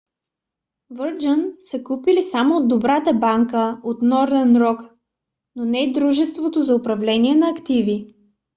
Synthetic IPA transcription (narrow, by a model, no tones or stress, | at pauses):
vəɾd͡ʒənsəkupilisamoːd̪ːobɾat̪əbaŋkəot̪nɔɾd̪ɛnɾɔk | nonɛid̪ɾuʒɛst̪vot̪ozɐʊpɾɐvlɛniɛnɐːkt̪ivi